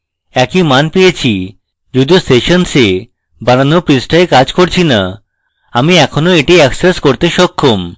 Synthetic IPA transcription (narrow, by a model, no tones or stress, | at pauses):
ɛkimanpejet͡ɕʰi | d͡ʑud̪ioseʃonse | bañanopɾisʈaekad͡ʑkoɾt͡ɕʰina̰ | amiɛkʰonoeʈiɛkseskoɾt̪eʃɔkʰːom